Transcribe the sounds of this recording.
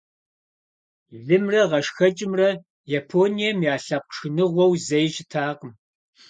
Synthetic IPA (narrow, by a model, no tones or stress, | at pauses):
ɮɨmrɐʁɐʂxɐt͡ʃʼɪmrɐ | japʰoːnijɐmjaːɬɐpʷʂɨnɨʁʷɔwzɐjɕɪtʰaːqəm